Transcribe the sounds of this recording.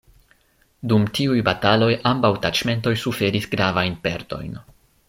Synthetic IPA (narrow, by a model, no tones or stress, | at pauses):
dumtiujbatalo̞jambawtat͡ʃme̞nto̞jsufe̞ɾisɡɾavajnpe̞̰ɾto̞̰jn